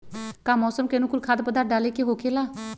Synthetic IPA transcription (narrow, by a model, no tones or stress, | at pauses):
kaːmɔːsəmkenũːkʊlkʰaːd̪pəd̪aːɖaːleːkeɦoːkʰeːlaː